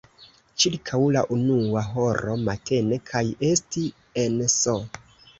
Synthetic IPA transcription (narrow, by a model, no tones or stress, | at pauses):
t͡ʃiɾkʰawla̰ʔunuaɦo̞ɾo̞matʰe̞ne̞kʰaje̞sti | enso